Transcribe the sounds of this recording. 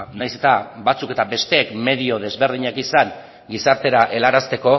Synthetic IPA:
najse̞t̪abat͡suke̞t̪abe̞st̪e̞ːkme̞ðio̞ð̞e̞zβe̞ɾðiɲakisaŋ | ɡisaɾt̪e̞ɾaʔe̞laɾast̪e̞ko̞

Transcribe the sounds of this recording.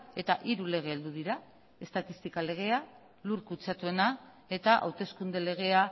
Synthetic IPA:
e̞t̪aʔiɾule̞ɣ̞e̞ːld̪uðiɾa | e̞st̪at̪ist̪ikale̞ɣ̞e̞a | luɾkut͡sat̪ue̞na | e̞t̪aʔa̰wt̪e̞skund̪e̞le̞ɣ̞e̞a

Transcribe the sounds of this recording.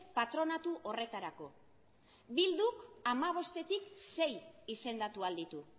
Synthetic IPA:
pat̪ɾo̞nat̪uʔo̞re̞t̪aɾako̞ | bild̪uamaβ̞o̞st̪e̞t̪ikse̞jise̞nd̪at̪uald̪it̪u

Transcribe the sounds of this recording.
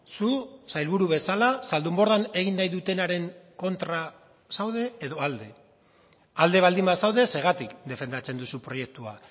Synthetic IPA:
susajlβuɾuβe̞salasald̪umbo̞ɾðane̞ɣ̞inːajðut̪e̞naɾe̞ŋko̞nt̪ɾa | sawð̞e̞ːðo̞ald̪e̞ | ald̪e̞βald̪imbasawðe̞se̞ɣ̞at̪ikd̪e̞fe̞nd̪at͡se̞nd̪usupɾo̞je̞k̚t̪ua

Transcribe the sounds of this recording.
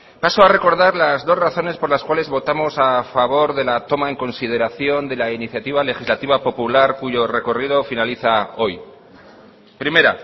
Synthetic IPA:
pasoare̞ko̞ɾðaɾlazðo̞zraθo̞ne̞spo̞ɾlaskwale̞zβo̞t̪amo̞safaβ̞o̞ɾðe̞lat̪o̞mae̞ŋko̞nsið̞e̞ɾaθjo̞nd̪e̞lainiθjat̪iβ̞ale̞xizlat̪iβ̞apo̞pulaɾkuʝo̞re̞ko̞rið̞o̞finaliθao̞j | pɾime̞ɾa

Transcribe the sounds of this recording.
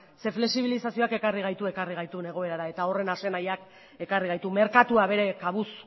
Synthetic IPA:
se̞fle̞ksiβ̞ilisasio̞ake̞kariɣ̞ajt̪ue̞kariɣ̞ajt̪une̞ɣ̞o̞e̞ɾaɾae̞t̪ao̞re̞nase̞najak | e̞kariɣ̞ajt̪ume̞ɾkat̪uaβe̞ɾe̞kaβ̞us

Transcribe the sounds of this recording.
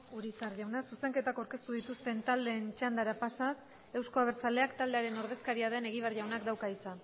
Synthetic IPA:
uɾit͡saɾʝawnasuse̞ŋke̞t̪akawɾke̞st̪uðit̪ust̪e̞nt̪ald̪e̞ːnt͡ʃand̪aɾapasas | e̞wsko̞aβ̞e̞ɾt͡sale̞akt̪ald̪e̞aɾe̞no̞ɾð̞e̞skaɾiaðe̞ne̞ɣ̞iβ̞arʝawnakd̪awkait͡sa

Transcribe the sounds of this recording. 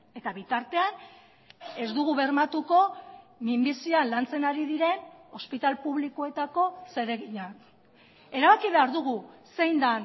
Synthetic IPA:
e̞t̪aβit̪aɾt̪e̞an | e̞zd̪uɣ̞uβe̞rmat̪uko̞mimbisioanlant͡se̞naɾiðiɾe̞no̞spit̪alpuβlikoe̞t̪ako̞se̞ɾe̞ɣiɲan | e̞ɾaβakiβe̞aɾðuɣuse̞jnd̪an

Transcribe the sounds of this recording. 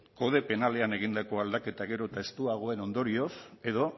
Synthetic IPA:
ko̞ð̞e̞pe̞nale̞ane̞ɣ̞ind̪ako̞ald̪ake̞t̪aɣe̞ɾo̞t̪ae̞st̪uaɣ̞o̞e̞no̞nd̪o̞ɾio̞se̞ðo̞

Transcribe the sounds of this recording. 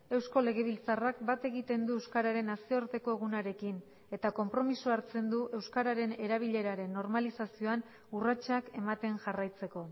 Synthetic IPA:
e̞wsko̞le̞ɣ̞e̞β̞ilt͡sarakbat̪e̞ɣit̪e̞nd̪uewskaɾaɾe̞nasioɾt̪e̞ko̞e̞ɣ̞unaɾe̞kin | e̞t̪ako̞mpɾo̞misuaɾt͡se̞nd̪uʔe̞wskaɾaɾe̞ne̞ɾaβ̞iʎe̞ɾaɾe̞nːo̞ɾmalisasio̞an | urat͡ʃake̞mat̪e̞nʝarajt͡se̞ko̞

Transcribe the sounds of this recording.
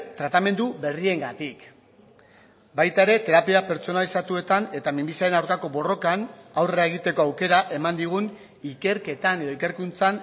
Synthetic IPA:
t̪ɾat̪ame̞nd̪ube̞rie̞ŋɡat̪ik | bajt̪ae̞ɾe̞t̪e̞ɾapiape̞ɾt͡so̞nalisat̪ue̞t̪ane̞t̪amimbisaɾe̞nawɾkako̞bo̞ro̞kanawreaeɣ̞it̪e̞ko̞awke̞ɾaʔe̞mand̪iɣ̞un | ike̞ɾke̞t̪ane̞ðo̞ike̞ɾkunt͡san

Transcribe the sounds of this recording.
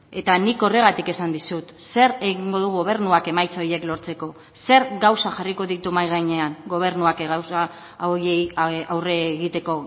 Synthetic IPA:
e̞t̪aniko̞re̞ɣat̪ike̞sand̪isut̪se̞ɾeɣiŋɡo̞ðuɣo̞β̞e̞ɾnuake̞majt͡so̞je̞klo̞ɾt͡se̞ko̞ | se̞ɾɡawsaxariko̞ðit̪umajɣajɲe̞aŋɡo̞β̞e̞ɾnuakeɣawsa | oeawre̞ɣit̪e̞ko̞

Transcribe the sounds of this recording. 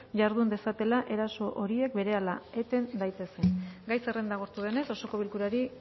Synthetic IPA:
ʝaɾðund̪e̞sat̪e̞laʔe̞ɾaso̞ʔo̞ɾie̞k̚be̞ɾe̞alae̞t̪e̞nd̪ajt̪e̞senɡajse̞rend̪aɣ̞o̞ɾt̪uðe̞ne̞so̞so̞ko̞β̞ilkuɾaɾi

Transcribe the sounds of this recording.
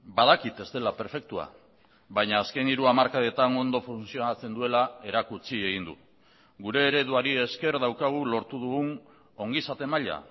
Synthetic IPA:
baðakit̪e̞zt̪e̞lape̞ɾfe̞k̚t̪ua̰ | βajɲaːske̞niɾuamaɾkaðe̞t̪ano̞nd̪o̞funsio̞nat͡se̞nd̪ue̞lae̞ɾakut͡sie̞ɣ̞ind̪ṵ | ɡuɾe̞ːɾe̞ðuaɾie̞ske̞ɾðawkaɣ̞ulo̞ɾt̪uðuɣun | o̞ŋɡisat̪e̞maʎa̰

